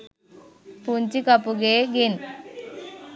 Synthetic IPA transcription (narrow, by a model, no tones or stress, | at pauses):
punt͡ʃikɐpːuɡeːɡin